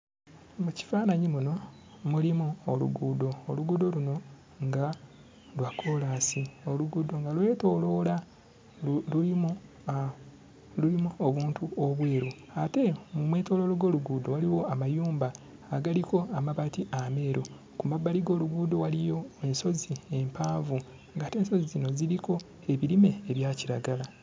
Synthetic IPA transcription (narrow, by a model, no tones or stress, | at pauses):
muci̥faːnaɲimuno̞ | mulimuolṵɡuːdo̞ːluɡuːdo̞luno̞ | ŋɡa | lwakʰo̞laːsio̞luɡudo̞ŋɡalwe̞ːto̞ːlo̞la | lulimu | lulimuoβuːntuoβweːɾu | ate̞mumwe̞ːto̞ːlo̞ːloɡo̞ːluɡuːdo̞waliwo̞amajuːmbaː | ɡaliko̞amaβatiʔame̞ːɾo̞ | kumabːaliɡo̞ːluɡuːdo̞walijo̞e̞nso̞zie̞mpaːvu | ŋɡaːte̞ːnso̞zizino̞ziliko̞ | e̞βiɾime̞eβjaːciɾaɡala